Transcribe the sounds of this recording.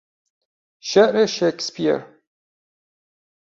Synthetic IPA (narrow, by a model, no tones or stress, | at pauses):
ʃɛʔɾeʃekspiɛ̰ɾ